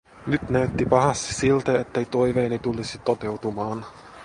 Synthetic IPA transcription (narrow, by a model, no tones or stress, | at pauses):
nyt̪næyt̪ːipɑɦɑst̪i̥silt̪eet̪ːejt̪o̞jʋe̞ːnit̪ulisit̪ot̪e̞wt̪umɑːn